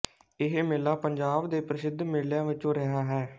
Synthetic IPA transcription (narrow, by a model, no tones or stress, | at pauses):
ɪɦemeːlaːpəɲd͡ʒaːbd̪eːpɾəsɪd̪ʱmɪːljãːʋɪt͡ʃõːɾəɦaːɦɛː